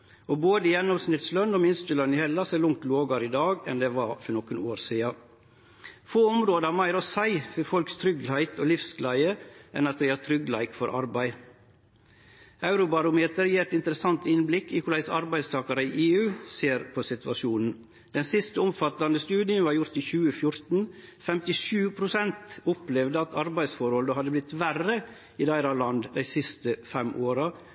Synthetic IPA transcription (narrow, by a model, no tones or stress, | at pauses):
oboːd̪əjɛnːɔmsnɪt̪slœnːɔːmɪnst̪əlœnːɪhɛlːɑsɛlʊŋt̪loːɡɑɾid̪ɑːɡɛ̰nd̪ɛʋɑɾfɔɳɔkːənoːɾsiːɑ | foːʊmɾoːd̪əæɾmæɪɾɔsæɪfɔɾfɔlkst̪ʰɾʏɡlæɪt̪ʰɔlɪfsɡlæɪəʔɛnɑt̪̚d̪ɛɪæːt̪ʰɾʏɡlæɪkfɔɾʔɑ̰ɾbæɪ | ɑʉɾʊbɑɾʊmeːt̪əɾjiːɛt̪ɪnt̪əɾəsɑnt̪ɪnblɪkːiːkʰʊlæɪsɑ̰ɾbæɪst̪ʰɑːkɑɾəiːʔeːʉːseːɾpʰosɪt̪ʋɑʃuːnn̩ | d̪̥ɛnsɪst̪əʊmfɑt̪ːɑnd̪əst̪ʉːd̪ɪənʋɑːɾjʊɾt̪iːçʉːəfjʊɾt̪n̩fɛmt̪ɪʃʉːpʰɾʊsɛnt̪ʊplɛʋd̪əɑt̪ʰɑɾbæɪsfɔɾhɔləɦɑd̪ːəblɪt̪ʋærə | iːd̪æɪɾɑlɑnd̪d̪æɪsɪst̪əfɛmʔoːɾɑ